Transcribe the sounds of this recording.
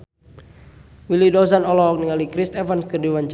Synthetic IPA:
wilidɔzanɔlɔk̚niŋalikɾist̪ɛvanskɨdiwaɲt͡ʃ

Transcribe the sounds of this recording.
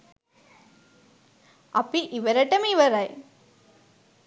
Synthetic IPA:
ɐ̰pːiʔiʋɐɾɐʈːɐmiʋɐɾaj

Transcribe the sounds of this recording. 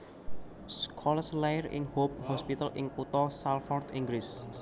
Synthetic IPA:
skʰɔləslajrɪ̰ŋhop̚hɔspit̪alʔɪŋkut̪ɔsalfɔrt̪iŋɡlis

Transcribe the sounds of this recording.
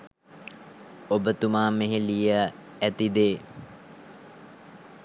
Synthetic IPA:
obət̪umaːmeɦelijə | æt̪id̪eː

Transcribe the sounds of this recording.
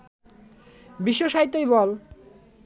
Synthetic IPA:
biʃːoʃaɦit̪ːojbɔl

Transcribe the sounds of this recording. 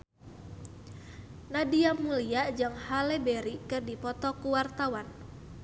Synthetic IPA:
nadiamuliaʔd͡ʒɨŋhalɛbɛɾikɨrdipɔt̪ɔkuwart̪awan

